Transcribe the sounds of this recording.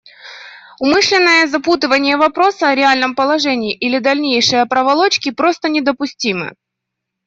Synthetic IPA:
ʊmɨʂlʲɪnːəjəzɐput̪ɨvənʲɪjəvɐpɾo̞səɐɾʲɪalʲnəmpəlˠɐʐɛnʲɪːʔilʲɪd̪ɐlʲnʲejʂɨjəpɾəvɐlˠo̞t͡ɕkʲɪpɾo̞st̪ənʲɪd̪əpʊsʲtʲimɨ̰

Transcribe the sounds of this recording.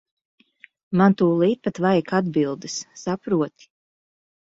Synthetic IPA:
mant̪uːlˠiːt̪̚pat̪vajkad̪bilˠd̪ɨsːapɾuɔt̪i̥

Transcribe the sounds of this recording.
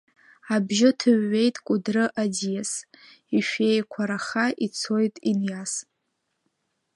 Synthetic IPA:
abʒɪtʰɨɥːe̞jtʼkʷʼʊdrɨʔadijes | iʃᶣe̞jkʷʰaɾaχaʔit͡sʰo̞jtʼinjas

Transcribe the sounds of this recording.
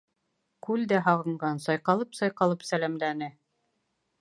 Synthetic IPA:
kʉld̪æɦɑʁɤ̆ɴɢɑnsɑjqɑlˠɤpsɑjqɑlˠɤpsælæmlænɘ

